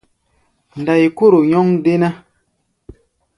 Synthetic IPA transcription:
n˨da˨i˨ko˦ɾo˨ɲɔ˦ŋde˦na˦

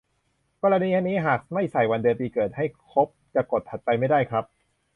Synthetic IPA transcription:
kɔː˧ɾa˧niː˧a˧niː˦˥ɦaː˨˩k̚ma˥˩jsa˨˩jwa˧ndɯ˧npiː˧kɤː˨˩t̪̚ha˥˩jkʰo˦˥p̚t͡ɕa˨˩ko˨˩t̪̚ʰha˨˩t̪̚t͡ɕa˧jma˥˩jdaː˥˩jkʰɾa˦˥p̚

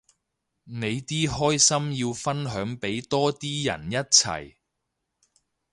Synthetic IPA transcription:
ne˨˧jt̪iː˥ɦɔː˥jsɐ˥mjiː˧wfɐ˥nɦœː˨˥ŋpe˨˥jt̪ɔː˥t̪iː˥jɐ̰˨˩njɐ˥t̚t͡sʰɐ̰˨˩j

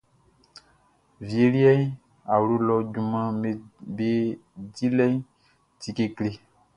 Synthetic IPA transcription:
vi˨e˨li˦ɛ˦ | a˨wlo˦lɔ˦d͡ʒu˨mã˦me˨be˦di˦lɛ˦ɲ˦ | t̪i˨ke˨kle˨

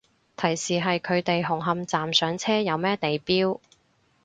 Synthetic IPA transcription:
t̪ʰɐ˨˩jsiː˨ɦɐ˨jkʰɵ˨˧ɥt̪e˨jɦʊ˨˩ŋɦɐ˨mt͡saː˨msœː˨˥ŋt͡sʰɛː˥jɐ˨˧wmɛː˥t̪e˨jpiː˥w

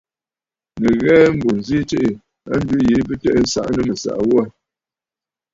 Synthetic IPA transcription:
nə˨ɣɛː˦m̩˦bo˨n˨zi˦te˦ʔe˨ | a̰˦n̩˦dʉ˦je˨˦b̬ɨ˦tɛ˦ʔn̩˦sa̰˦ʔnə˦mə˨sa̰˨ʔwɔ˦a˦

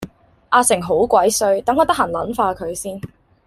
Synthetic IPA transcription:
ʔaː˧sɪ˨˩ŋɦo˨˥wkʷɐ˨˥jsɵ˧ɥt̪ɐ˨˥ŋːɔː˨˧t̪ɐ˥ɦaː˨˩nlɐ̰˨˥nfaː˧kʰɵ˨˧ɥsiː˥n

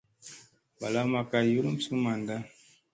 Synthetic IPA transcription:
ba˨la˦ma˨ka˦ju˦lu˦m˦su˦ma˨nda˦

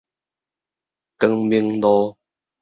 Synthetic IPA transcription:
kə˧ŋmi˧ə˦ŋdɔ˧

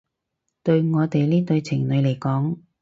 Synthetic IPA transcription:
t̪ɵ˧ɥŋɔː˨˧t̪e˨jliː˥t̪ɵ˧ɥt͡sʰɪ˨˩ŋnɵ˨˧le˨˩jkɔː˨˥ŋ

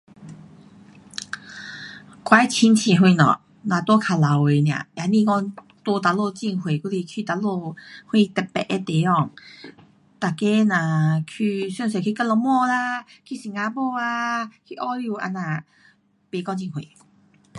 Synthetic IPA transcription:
kwa˧jt͡ɕʰi˧nt͡ɕʰɛ˧˩˨ɦwe˧˨nɔ̰˨ | nã˨˩t̪wɔ˦kʰa˨la˨we˨nj̃ã̰˨ja˨nĩ˧kɔ˥˧ŋ | t̪o˧t̪a˨lo˥˧t͡ɕi˧ŋhwe˨ku˧˦li˧kʰi˧t̪a˨lo˥˧hwe˥˧t̪ɛ˨˩pɛ̰˨ʔe˧˦t̪e˨˦ɔ˧˨ŋ | t̪a˨˩ke˦nã˨˩kʰy˧sɛ˥˧ŋs̬e˨kʰi˧ka˧˨lɔ˧mɔ˥˧la˧kʰi˧si˨ŋã˧bo˥˧a˧kʰi˧˨ʔɔ˦lu˧˨ʔa̰˧nã˨ | pe˨kɔ˧ŋt͡ɕi˧˨ŋhwḛ˨

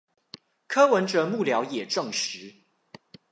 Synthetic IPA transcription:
kʰɤ˥wə˧˦nʈ͡ʂɤ˨˦mu˥˨˩ljɑ˧˥ʊjɛ˨˩ʈ͡ʂɤ˥˨ŋʂɻ̩˨˦

